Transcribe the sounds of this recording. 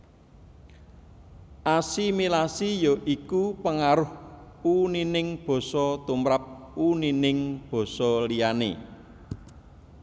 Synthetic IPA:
ʔasimilasijoʔikupəŋaɾʊhuninɪŋb̥ɔ̤sɔt̪umɾap̚ | uninɪŋb̥ɔ̤sɔlijanḛ

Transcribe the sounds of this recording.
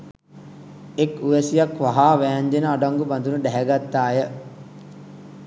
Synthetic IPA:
ekuʋəsijakʋaɦaːʋæːɲd͡ʒenəaɖaŋɡuband̪unəɖɛɦæɡat̪ːaːjə

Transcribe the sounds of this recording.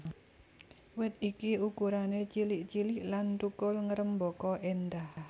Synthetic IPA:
wɪt̪̚ikiukuɾanet͡ʃiliʔt͡ʃiliʔlant̪ukʊlŋəɾəmbɔkɔʔend̪ah

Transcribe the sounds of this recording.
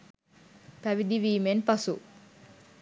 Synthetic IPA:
pæʋid̪iʋiːmenpɐsu

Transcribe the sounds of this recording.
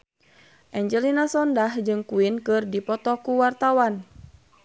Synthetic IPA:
ʔɛɲd͡ʒəlinasɔndahd͡ʒɨŋkuinkɨrdipɔt̪ɔkuwart̪awan

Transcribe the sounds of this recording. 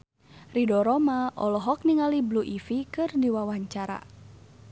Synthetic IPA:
ridɔɾɔmaʔɔlɔɦɔk̚niŋalibluʔifikɨrdiwawaɲt͡ʃaɾa̰

